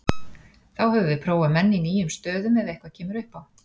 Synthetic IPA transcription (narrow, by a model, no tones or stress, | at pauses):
θawhɛvʏvɪpʰɾoːwamɛnːɪiniːjʏmst̪œːðʏmɛðejhkvḁcʰɛːmʏɾʏhpaw